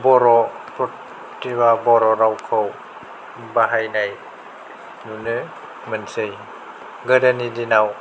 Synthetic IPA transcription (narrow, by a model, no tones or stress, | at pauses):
bɔɾɔpot̪̚ | tiwaːbɔɾɔɾawkʰaw | baɦajnaj | nunɯ | mɯnsɯj | ɡadanidinaw